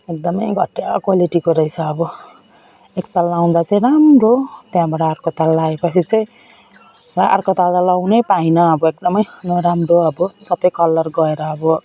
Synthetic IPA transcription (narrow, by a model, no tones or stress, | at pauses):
ek̚d̪ʌmʌjɡʱʌʈjakwaliʈikoɾʌjt͡sʰʌːbʌ | ek̚t̪alːaw̃d̪at͡sʌĩɾamrot̪jãbaɽaːrkot̪alːaːepʌt͡sʰit͡saĩ | laʔʌ̰rkot̪alalawnʌjpajnʌʌbʌek̚d̪ʌmʌjnʌɾamroʌbʌsʌpʌjkʌlːʌrɡʌeɾʌːbʌ